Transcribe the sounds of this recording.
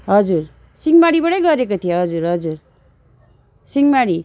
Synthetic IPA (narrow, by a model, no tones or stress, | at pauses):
ɦʌd͡zur | siŋmaɽibʌɽʌjɡʌɾekot̪ʰijoɦʌd͡zuɾɦʌd͡zur | siŋmaɽi